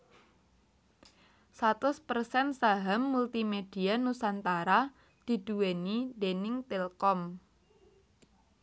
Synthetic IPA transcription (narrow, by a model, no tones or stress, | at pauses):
sat̪ʊspərsɛnsaɦamːult̪imed̥i̤anusant̪aɾa | d̪̥i̤d̥uwenidenɪŋt̪ɛlkɔm